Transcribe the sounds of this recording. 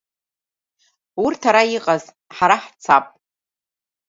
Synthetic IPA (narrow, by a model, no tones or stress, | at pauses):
urtʰaɾaiqʼaz | ħaɾaħt͡sʰapʼ